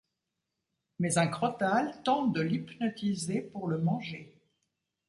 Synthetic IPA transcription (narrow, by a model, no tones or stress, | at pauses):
mɛzɛ̃kχɔt̪alt̪ɑ̃t̪̚d̪əlipnɔt̪izepuʁləmɑ̃ʒe